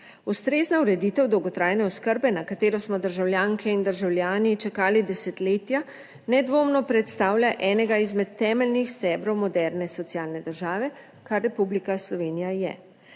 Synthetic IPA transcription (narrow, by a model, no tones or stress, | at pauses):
ust̪ɾeːznauɾɛd̪iːt̪ɛwd̪ɔwɡɔt̪ɾaːjnɛɔskəɾbɛnakat̪eːɾɔsmɔd̪əɾʒawljaːŋkʰɛind̪əɾʒawljaːnit͡ʃɛkaːlid̪ɛsɛt̪leːt̪ja | nɛd̪ʋoːmnɔpɾɛt̪st̪aːwljaʔɛːnɛɡaizmɛt̪ːɛːmɛlnixst̪ɛːbɾɔwmɔd̪ɛɾnɛsɔt̪sijaːlnɛd̪əɾʒaːʋɛ | kaɾːɛpublikaslɔʋeːnijajɛ̰